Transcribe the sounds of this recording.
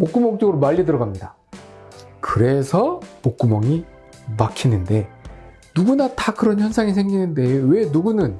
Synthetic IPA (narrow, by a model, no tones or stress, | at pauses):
mok͈umʌŋk̚t͡ɕ͈oɡɯɾomaʎːidɯɾʌɡamɲida | kɯɾe̞sʰʌmok͈umʌŋi | makʰinɯnde̞ | nuɡunatakɯɾʌnçjʌnsʰaŋisʰe̞ŋɡinɯnde̞we̞nuɡunɯn